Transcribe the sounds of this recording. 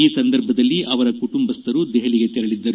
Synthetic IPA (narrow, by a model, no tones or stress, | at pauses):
iːsɐnd̪ɐɾbʱɐd̪ɐlːiʔɐʋɐɾɐkuʈumbɐst̪ɐɾud̪ɛɦɐliɡe̞t̪ɛɾɐɭid̪ːɐɾu